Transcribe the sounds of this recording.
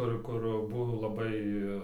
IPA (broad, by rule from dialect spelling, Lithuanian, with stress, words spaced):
ˈkʊr ˈkʊr ˈbʊʋoː lˠɐˈbɐɪ